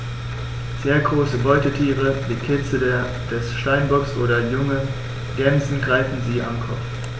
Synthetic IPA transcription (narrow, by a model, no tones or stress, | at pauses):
z̥eːɐɡʁoːsəbɔʏtətʰiːʁəviːkʰɪt͡sə | d̥ɛsʃtaɪnbɔksʔo̰ːɾɐjʊŋə | ɡ̥ɛnzn̩ɡʁaɪfn̩ziːa̰mkʰɔpp͡f